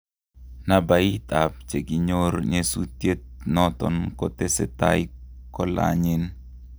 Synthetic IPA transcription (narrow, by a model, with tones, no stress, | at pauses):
na˨ba˨i˦t̪a˨p̚t͡ʃe˨ɡi˨ɲo˦ɾɲe˦su˦t̪je˦t̪̚nɔt̪ɔ̰˨nko˦t̪e˦sḛ˨t̪a˦ikɔ˦la̰ɲɪ˦n